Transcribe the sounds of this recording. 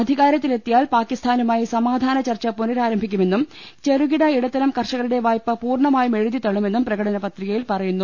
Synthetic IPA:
ɐd̪ʱiɣaːɾjɐt̪ːile̞t̪ːijaːlpaːkːist̪ʰaːnumaːjisɐmaːd̪ʱaːnɐt͡ɕɐrt͡ɕːɐpunɐɾaːɾɐmbʱikʲːume̞nːum | t͡ɕe̞ruɣiɽɐiɽɐt̪ːɐlɐmkɐrʂɐɣɐluɽe̞ʋaːjpːɐpuːrɳɐmaːjume̞ɻuðit̪ɐɭume̞nːumprɐɣɐɽɐnɐpɐt̪riɣɐjilpɐrɐjunːu

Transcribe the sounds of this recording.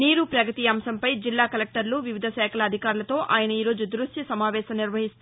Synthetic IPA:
niːɾupɾɐɡɐt̪ijaːmsɐmpɐjd͡ʒilːaːkɐlek̚ʈɐɾluʋiʋid̪ʱɐʃɛːkʰɐlɐd̪ʱikaːɾulɐt̪o̞ːʔaːjɐnɐiːɾo̞ːd͡ʒud̪ɾuʂʈisɐmaːʋɛːʃɐmniɾʋɐɦist̪u

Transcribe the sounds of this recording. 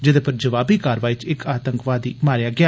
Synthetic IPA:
d͡ʒɪd̪eːpəɾd͡ʒəʋaːbiːkaːɾʋaːiːt͡ʃɪkaːt̪əŋkʋaːd̪iːmaːɾejaːɡɪaː

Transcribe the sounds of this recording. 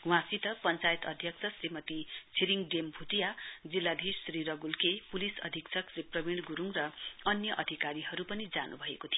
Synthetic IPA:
wãsit̪ʌpʌnt͡sajet̪ʌd̪ʱjʌkt͡sʰʌsrimʌt̪it͡sʰiɾiŋɖembʱut̪ijad͡zilːad̪ʱisːɾiɾʌɡulkepulisʌ̰d̪ʱiksʰʌkriprʌbiɽɖɡuɾuŋrʌʌnjʌʔʌd̪ʱikaɾiɦʌɾupʌnid͡zanṵbʱʌḛkot̪ʰijo

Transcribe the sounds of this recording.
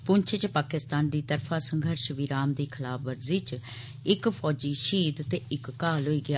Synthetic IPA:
pʊɲt͡ʃʰt͡ʃpaːkɪst̪aːnd̪iːt̪əɾpʰaːsəŋɡʱəɾʃʋiɾaːmd̪iːkʰəlaːpʰʋəɾziːt͡ʃ | ɪkpʰɔːd͡ʒiːʃiːd̪t̪eːɪkːaːlɦoːiːɡɪa

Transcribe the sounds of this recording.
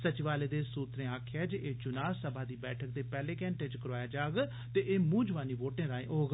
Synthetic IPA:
sət͡ʃɪʋaːleːd̪eːsuːt̪ɾẽːaːkʰjaːd͡ʒʔeːd͡ʒʊnaːsəbʱaːd̪iːbɛːʈʰək̚d̪eːpɛːlẽːkɛ̃ːɳʈeːd͡ʒkəɾaːjaːd͡ʒaːɡ | t̪eːʔeːmũːd͡ʒʊʋaːniːʋoːʈẽːɾaːẽːʔoːɡ

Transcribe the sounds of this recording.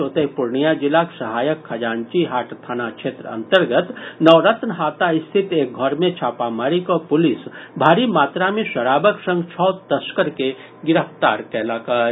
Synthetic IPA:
oːt̪eɦpʊɾɳijad͡ʒɪlaksɐɦaːjəkʰːɐd͡ʒaːnt͡ʃiɦaːʈʰt̪ʰaːnakʃeːt̪ɾəɐ̰̃nt̪əɾɡət̪nəʋɾət̪nəɦaːt̪aɪst̪ʰɪt̪eːk̚ɡʱɔɾmẽt͡ʃʰaːpamaːɾikɔpʊlɪsbʱaːɾimaːt̪ɾamẽʃɐɾaːbəksə̃ŋɡt͡ʃʰɔːt̪əskəɾke | ɡɪɾəft̪aːɾkɛːlaːkaː

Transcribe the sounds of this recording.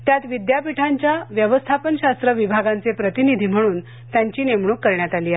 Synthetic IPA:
t̪jat̪ʋid̪japiʈʰaɲt͡ɕjaʋjəʋəst̪ʰapənɕast̪ɾəʋibʱaɡant͡sepɾət̪inid̪ʱiːm̤əɽ̃uːn | t̪jaɲt͡ɕiːnemɳukːəɾɳjat̪aliːa

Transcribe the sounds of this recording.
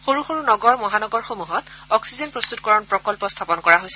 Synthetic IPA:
xoɹuxoɹunɔɡɔɹmɔɦanɔɡɔɹxomuɦɔtɔksizɔnpɹɔst̪ut̚kɔɹɔnpɹɔkɔlpɔst̪ʰapɔnkɔɹaɦojsɛ

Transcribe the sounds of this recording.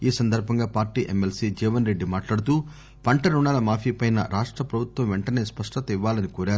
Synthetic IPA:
iːsɐnd̪ɐɾbʱɐŋɡaːpaːɾʈiːʔemːelsiːd͡ʒɛːʋɐnɾe̞ɖːimaːʈlaːɽut̪uː | pɐɳʈɐɾuɳaːlɐmaːpʰiːpɐjnɐ̰ɾaːʂʈɾɐpɾɐbʱut̪ʋɐmʋeɳʈɐne̞ːspɐʂʈɐt̪ɐiʋːaːlɐnikuːɾaːɾ

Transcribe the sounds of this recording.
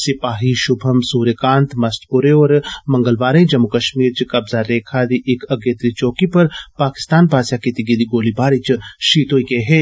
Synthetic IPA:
sɪpaːɦiʃʊbʱɐmsuːɾekãːnt̪mɐst̪ʰpʊɾeɔːɾmɐ̃ŋɡəlʋaːɾẽd͡ʒɐmːukɐʃmiːɾt͡ʃikɐbzaɾeːkʰaːd̪iʔɪkɐɡeːt̪ɾit͡ʃoːkipɐɾpaːkɪ̥st̪aːnpaːsjakit̪iɡid̪iɡoːlibʱaːɾit͡ʃʃiːt̪oːikeɦeː

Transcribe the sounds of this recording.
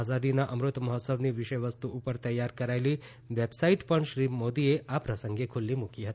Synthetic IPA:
azad̪inaʔəmɾut̪mɐɦɔt̪səbniːʋiʂəjʋəst̪uʔupəɾt̪əjːaɾkəɾajliː | ʋebsaiʈpəɳʃɾiːmod̪ieʔapɾəsəŋɡekʰulːiːmukiɦət̪i̥

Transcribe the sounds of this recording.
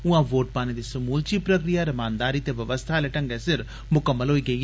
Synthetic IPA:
ʊãʋoːʈ̚paːñid̪isɐmuːlt͡ʃipɾəkɾijaɾɐmaːnd̪aːɾit̪eʋɐʋəst̪ʰaleʈəŋɡɛsɪɾ | mʊkəmːəlɦoːiːɡɐiː

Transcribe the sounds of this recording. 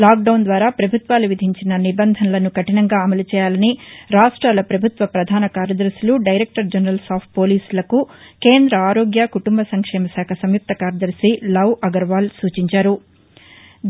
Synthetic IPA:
laːk̚ɖɐwnd̪ʋaːɾaːpɾɐbʱut̪ʋaːluʋid̪ʱiɲt͡ʃinɐnibɐnd̪ʱɐnɐlɐnukɐʈinɐŋɡaːɐmɐlut͡ʃɛːjaːlɐniɾaːʂʈɾaːlɐpɾɐbʱut̪ʋɐpɾɐd̪ʱaːnɐkaːɾjɐd̪ɐɾsiluɖɐjɾek̚ʈɐɾd͡ʒɐnɾɐlsaːpʰʈ̚po̞ːliːslɐkuke̞ːnd̪ɾɐaːɾoːɡjakuʈumbɐsɐŋkʂɛːmɐsaːkʰɐsɐmjuk̚t̪ɐkaːɾjɐd̪ɐɾsilɐwʔɐɡɐɾʋaːlsuːt͡ʃiɲt͡ʃaːɾu

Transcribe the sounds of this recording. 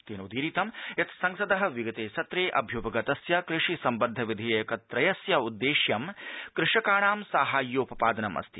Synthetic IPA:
t̪eːnoːd̪iːɾiːt̪ɐmjɐt̪sɐŋsɐd̪ɐɦɐ̆ʋiɡɐt̪eːsɐt̪ɾeːʔɐbʱjupɐɡɐt̪ɐsjɐkɾɪʂisɐmbɐd̪ʱːɐʋid̪ʱiːɐjɐkɐt̪ɾɐjɐsjɐud̪ːeːʃjɐmkɾɪʂɐkaːɳaːmsaːɦaːjːoːpɐpaːd̪ɐnɐmɐ̰st̪ʰi

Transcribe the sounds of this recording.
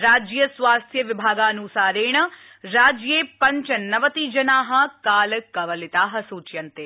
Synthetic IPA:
ɾaːd͡ʒjɐsʋaːst̪ʰjɐʋibʱaːɡaːnusaːɾeːɳɐ | ɾaːd͡ʒjeːpɐɲt͡ʃɐnɐʋɐt̪iːd͡ʒɐnaːɦɐ̆kaːlɐkɐʋɐlit̪aːɦɐsuːt͡ʃjɐnt̪eː

